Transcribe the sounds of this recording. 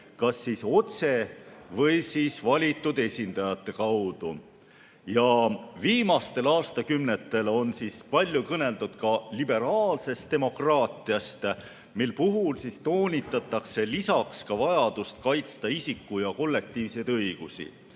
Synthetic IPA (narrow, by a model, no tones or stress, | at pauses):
kɑsːiso̞t̪se̞vɤjsiːsvɑlʲit̪ːˑud̪e̞sʲind̪ɑjɑt̪ːˑe̞kɑwd̪̥u | jɑviːmɑst̪e̞lɑːst̪ɑkymnet̪ːˑe̞lo̞nsispɑlʲjukɤne̞lt̪ud̪̥̚kɑlibe̞ɾɑːlse̞st̪e̞mo̞krɑːt̪ˑiɑst̪ | milpuɦulsist̪oːnʲit̪ːˑɑt̪ːˑɑkse̞lisɑkskɑvɑjɑd̪̥ust̪̚kɑjt̪st̪ɑisikːujɑko̞lːe̞k̚t̪iːvse̞jt̪ɤjɡ̥usḭ